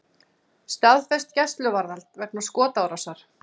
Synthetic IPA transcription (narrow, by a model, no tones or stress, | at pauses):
st̪aðfɛst̪cɛst̪lʏvaɾðalt̪vɛknḁskɔːt̪awɾasaɾ̥